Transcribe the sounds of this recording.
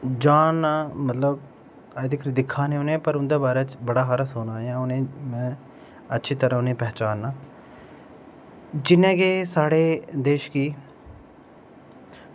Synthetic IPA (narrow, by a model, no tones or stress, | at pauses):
d͡ʒaːnːãːmət̪ləb̚ | aːd̪ɪkɾid̪ɪkʰːaːneːʊnẽːpəɾʊnd̪eːbaːɾeːt͡ʃbəɽaːɦaːɾasoːnaːjãːʊnẽːmɛ̃ː | ətːʃʰiːt̪əɾãːʊnẽːpɛːt͡ʃaːnːãː | d͡ʒɪnɛ̃ːɡeːsaːɽeːd̪eːʃkiː